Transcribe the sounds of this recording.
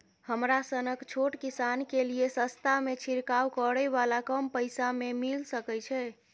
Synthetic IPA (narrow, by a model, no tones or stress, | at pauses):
həmɾasənəkt͡ʃʰoʈkisankelijesəst̪ʰamet͡ʃʰiɾkawkəɽəjβalakəmpəjsamemilsəkɛt͡ʃʰɛ